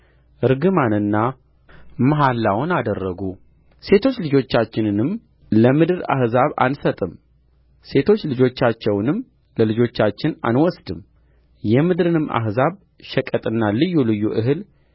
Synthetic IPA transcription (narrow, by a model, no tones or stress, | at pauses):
ʔɨɾɡɨmanɨnːa | məɦalːawnad̪ərːəɡu | se̞t̪ʰo̞t͡ʃːlɨd͡ʒo̞t͡ʃːat͡ʃːɪnɨnɨm | ləmɨd̪ɨɾa̰hzaβa̰nsət̪ʼɨm | se̞t̪ʰo̞t͡ʃːlɨd͡ʒo̞t͡ʃːat͡ʃːɛwnɨm | ləlɨd͡ʒo̞t͡ʃːat͡ʃːɪna̰nwɔsd̪ɨm | jɛmɨd̪ɾɨnɨma̰hzaβ | ʃɛkʼət̪ʼɨnːalɨjːulɨjːuʔɨɦɨl